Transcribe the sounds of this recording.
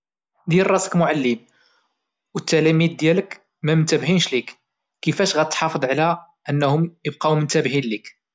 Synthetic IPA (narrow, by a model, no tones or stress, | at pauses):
d̪irˤːɑsə̥kmʊʕalːim | wət̪ːælæmid̪ːjælək | mæmənt̪æbɦinʃlik | kːəfæʃɣæt̪ħɑfəd̪ˤʕlæ | ʔənːhʊmjəbqɑwmənt̪æbhinlik